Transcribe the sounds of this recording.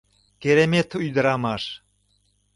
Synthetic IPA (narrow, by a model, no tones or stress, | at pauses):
keɾemet̪ujd̪ə̆ɾɑmɑʃ